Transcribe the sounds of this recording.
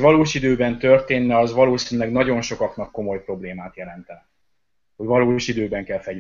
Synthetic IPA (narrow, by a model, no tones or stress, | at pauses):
ʋɒloːʃid̪øːbɛnt̪ø̞rt̪eːnːɛɒzʋɒloːsinylɛɡnɒɟo̞nʃo̞kɒknɒkːo̞mo̞jpro̞bleːmaːt̪jɛlɛnt̪ɛn | ho̞ɟvɒloːʃid̪øːbɛŋkɛlfɛ